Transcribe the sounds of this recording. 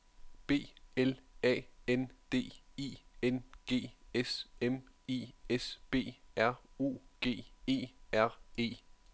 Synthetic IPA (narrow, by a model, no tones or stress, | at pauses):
b̥e̝̰ːelɛ̰ːend̥e̝̰ːḭːenɡ̥e̝̰ːesemḛːese̝̰ːæɐ̰ṵːɡ̥e̝̰ːe̝̰ːæɐ̰e̝̰ː